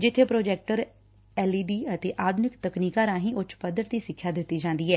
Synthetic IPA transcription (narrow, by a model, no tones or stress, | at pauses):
d͡ʒɪt̪ʰːeːpɾoːd͡ʒɛːk̚ʈəɾ | ɛːliːɖiːət̪eːʔaːd̪ʊnɪkt̪əkniːkaːɾãːɦĩːʔʊt͡ʃpəd̪əɾt̪iːsɪkʰːjaːd̪ɪt̪ːiːd͡ʒãːnd̪iːɦɛː